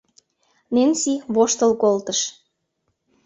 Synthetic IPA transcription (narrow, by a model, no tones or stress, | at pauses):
nensiβoʃt̪əlkolt̪əʃ